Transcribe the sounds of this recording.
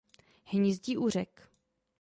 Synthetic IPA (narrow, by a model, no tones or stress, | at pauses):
hɲɪzɟiːʔur̝ɛk